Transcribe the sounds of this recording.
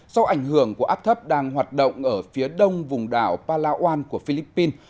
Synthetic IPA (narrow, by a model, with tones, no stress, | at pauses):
sa˧wʔa˧˩jŋ̟hɨ˧˩əŋku˧˩əʔaː˦˥p̚t̪ʰə˦˥p̚ɗaː˧ŋhwaː˨˩t̚ɗo̰˧˨wŋ͡mʔəː˧˩fi˨˦ɗə˧wŋ͡mvʊ˨˩ŋ͡mɗaː˧˩wpaː˧laː˧ʔwaː˧nku˧˩əfi˧li˦˥pːi˧n